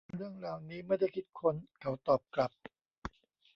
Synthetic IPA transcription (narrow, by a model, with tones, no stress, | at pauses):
ɾɯ˥˩əŋɾaː˧wniː˦˥ma˥˩jda˥˩jkʰi˦˥t̪̚kʰo˧nkʰa˩˦wt̪ɔː˨˩p̚kla˨˩p̚